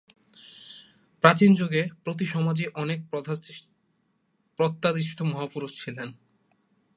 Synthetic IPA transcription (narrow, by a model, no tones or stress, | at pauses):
pɾat͡ɕind͡ʑoɡepɾot̪̬iʃɔmad͡ʑiʔɔnek̚ | pɾot̪ːad̪iʃt̪ʰomɔɦapuɾud͡ʑt͡ɕʰilen